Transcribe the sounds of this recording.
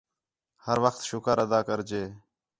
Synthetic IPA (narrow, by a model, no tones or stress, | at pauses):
həɾʋəxt̪ʃʊkəɾəd̪aːkəɾd͡ʒeː